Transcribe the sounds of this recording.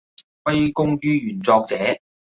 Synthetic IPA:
fɐ˥jkʊ˥ŋjyː˥jyː˨˩nt͡sɔː˧k̚t͡sɛː˨˥

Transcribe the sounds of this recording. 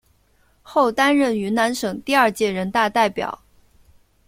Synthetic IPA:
xo˥˩ʊt̪a˥nɻə˥˩ny˧˥na˧˥nʂɤ˨˩ŋt̪i˥˧ɐ˞˥˧t͡ɕjɛ˥˩ɻə˧˥nt̪a˥˧t̪a˥˩ɪpjɑ̰˨˩˦ʊ

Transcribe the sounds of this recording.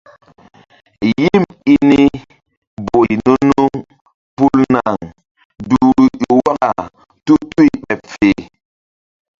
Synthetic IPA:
ji˦˨mi˦ni˦ | bo˨jnu˦nu˦ŋ | pu˦lna˨ŋ | du˨ɾjo˨wa˦ka˨ | tu˦tu˦i˨ɓɛ˨pfe˨

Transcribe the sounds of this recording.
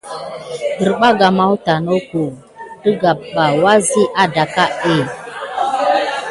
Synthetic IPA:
ɗə˨ɾɓa˦ɡa˨ma˦wta˨no˦ko˨ | də˦ɡa˨b̚ɓa˨wa˦zi˦ʔa˦da˨ka˦e˦˨

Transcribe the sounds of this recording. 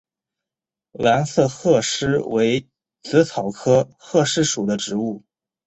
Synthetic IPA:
la˧˥nsɤ˥˧xɤ˥˩ʂɻ̩˥we˧˥ɪ | t͡sɹ̩˧˥t͡sʰɑ˨˩ʊkʰɤ˥xɤ˥˧ʂɻ̩˥ʂu˨˩d̪ə˦ʈ͡ʂɻ̩˧˥u˥˩

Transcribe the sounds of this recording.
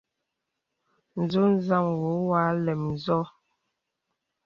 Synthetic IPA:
n̩˨zo˦n˦za˦˨ŋwo˨˦wa˨˦lɛ˨mn̩˨zɔ˦

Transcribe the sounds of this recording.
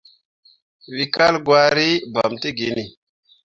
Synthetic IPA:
wi˨ka˦lɡwa˦ɾi˦ba˨mti˦ɡi˨ni˨

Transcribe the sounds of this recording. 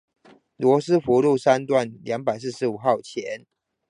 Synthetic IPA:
lwɔ˧˥˦sɹ̩˥fu˧˥lu˥˨sa˦nt̪wa˥˩nljɑ˧˥ŋpa˨ɪs̬̩˥˩ʂɻ̩˧˦u˨˩xɑ˥˨ʊt͡ɕʰjɛ˨˦n

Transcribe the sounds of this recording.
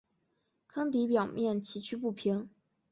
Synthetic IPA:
kʰɤ˥ŋt̪̬i˧˥pjɑ˨˩ʊmjɛ˥˩nt͡ɕʰi˧˥t͡ɕʰy˥pu˥˩pʰi˧˥ŋ

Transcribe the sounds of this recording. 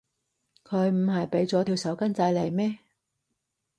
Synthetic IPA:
kʰɵ˨˧ɥm̩˨˧ɦɐ˨jpe˨˥jt͡sɔː˨˥t̪ʰi˧wsɐ˨˥wkɐ˥nt͡sɐ˧jle˨˩jmɛː˥

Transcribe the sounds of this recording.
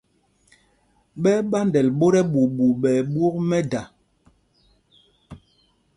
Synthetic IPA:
ɓɛ˦ɓa˦ndɛ˨lɓo˦ɾɛ˦ɓu˨ɓu˨ɓɛ˨ɓwo˦kmɛ˦da˨

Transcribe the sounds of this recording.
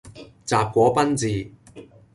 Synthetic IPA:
t͡saː˨p̚kʷɔː˨˥pɐ˥nt͡siː˨˧

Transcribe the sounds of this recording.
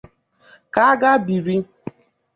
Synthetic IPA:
ka˦a˦ɡa˦bi˨ɾi˦

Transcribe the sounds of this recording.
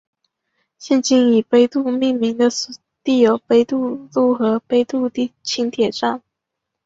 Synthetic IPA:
ɕjɛ˥˧nt͡ɕi˥ni˨˩pe˧˥ɪt̪u˥˧mi˥˩ŋmi˧˥ŋd̪ə˧s | t̪i˥˩jo˧˩ʊpe˥ɪt̪u˥˧lu˥˩xɤ˧˥pe˥ɪt̪u˥˧t̪i˥˩t͡ɕʰi˥ŋt̪ʰjɛ˨˩ʈ͡ʂa˥˩n

